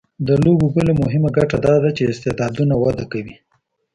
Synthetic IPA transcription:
d̪əlobobəlemʊɦɪmaɡaʈad̪ɑd̪at͡ʃeɪst̪ɪd̪ɑd̪unawad̪akawi

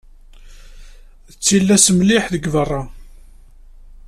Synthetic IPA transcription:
ət͡sːilːæsəmliħðəɡvərˤːɑ

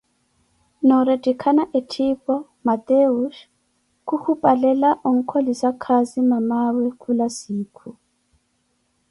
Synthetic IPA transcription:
nɔɾetʼikʰanaʔetʰipʼɔ | mat̪euʃ | kuhupʼalɛlaʔoŋ̩kʰolisakʰazimamawɛkʰʼulasiːkʰu

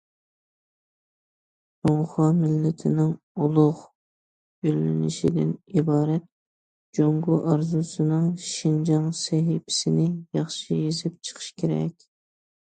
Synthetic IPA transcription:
oŋχɑmɪlːɪt̪ʰɪnɪŋ | ulˠʊʁ | ylːɪnɪʃid̪ɪ̰nibɑːɾɛt̪̚ | d͡ʒoŋɡʊʔɑɾzusɨnɨŋʃind͡ʒɑŋsɛɦipʰɪ̥sɪnɪjɑχʃijizɪp̚t͡ʃʰə̥qʰə̥ʃkʲʰeɾɛ̰kʲ

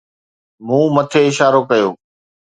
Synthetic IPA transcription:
mũːmət̪ʰeːɪʃaːɾokɐjoː

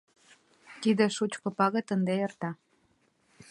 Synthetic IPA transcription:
t̪id̪ĕʃut͡ɕkɤ̆pɑɣɤ̆t̪ənd̪eert̪ɑ

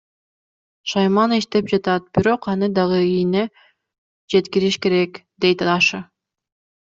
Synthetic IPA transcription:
ʃɑjmɑniʃt̪e̞p̚d͡ʒɑt̪ɑt̪̚biɾo̞qɑn̪ɯd̪ɑʁɯijne | d͡ʒe̞t̪kiɾiʃke̞ɾe̞kd̪e̞jt̪ɑʃɯ

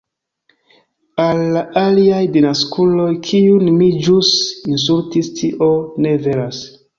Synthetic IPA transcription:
alːaʔaliajdinaskulo̞jkʰiunmid͡ʒusins̬ultistʰiʔone̞ve̞las

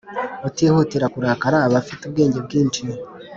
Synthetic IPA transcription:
βateːhoteɾakuɾakaɾaːβafitub̚ɡe̞ːɲɟe̞bɡiːnt͡ʃi

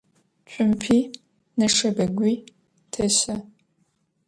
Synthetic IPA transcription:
t͡ʃʷʼʊmpʰiː | nɐʂɐbɐɡʷiː | tʰɐɕɐ

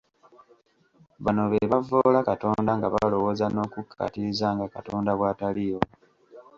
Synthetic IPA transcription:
βano̞βeβavo̞ːlakato̞ːndaŋɡaβalo̞wo̞ːzano̞ːkukʰːa̰tiɾizaːŋɡakato̞ːndaβwaːtalijo̞

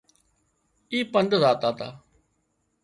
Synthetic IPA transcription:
iːpənd̪zaːt̪aːt̪a̰ː

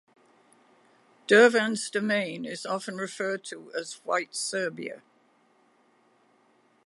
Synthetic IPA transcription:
d̥ɜːvə̃nzdəmẽɪ̃nɪzɒfə̃nɹɪfɜːd̚tʰəəzwa̰ɪtsɜːbḭə̰

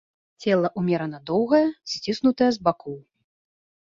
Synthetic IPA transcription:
t͡sʲɛlˠɐʔumʲɛɾɐnɐd̪ɔwɣɐjɐsʲt͡sʲisnut̪ɐjɐzbakʰɔw

